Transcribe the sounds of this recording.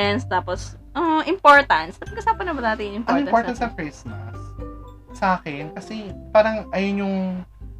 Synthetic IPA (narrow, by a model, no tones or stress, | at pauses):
ɛnst̪aːposʔoʔʔɪmpoɹt̪ɐnt̪sɐpɐɡkɐsaːpɐnːɐbɐnaːt̪ɪnɪmpɐ̃ɾŋɪ̃mɐnoɹt̪ɐnɐŋkɹismɐ̰s | sɐʔaːkɛnkɐsɛpaːɾɐŋʔɐjonjʊŋ